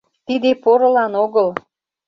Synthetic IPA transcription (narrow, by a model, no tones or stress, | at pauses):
t̪id̪epoɾə̆lɑnoɣəl